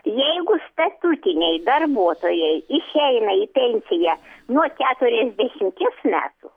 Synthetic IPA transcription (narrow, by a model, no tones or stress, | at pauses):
jɛɪɡʊst̪ɐt̪uːt̪ʲɪnʲɛɪd̪ɐrbuɔt̪oːjɛɪɪʃʲɛɪnɐipʲɛnʲsʲɪjænuɔkʲæːt̪ʊɾʲɛzʲd̪ʲæʃʲɪmkʲɪsmʲæ̰ːt̪ʊ